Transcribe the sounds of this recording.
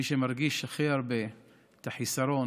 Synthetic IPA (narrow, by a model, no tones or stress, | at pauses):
iʃemaɾɡiʃaχiaɾbe̞ | t̪aħisaɾon